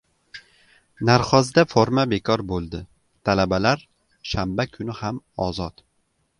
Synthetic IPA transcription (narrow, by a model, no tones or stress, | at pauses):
naɾχɒzd̪afoɾmabe̞kʰɒɾbolˠd̪ɪ | t̪ʰalabalaɾ | ʃambakʰʊnɪhamɒzɒt̪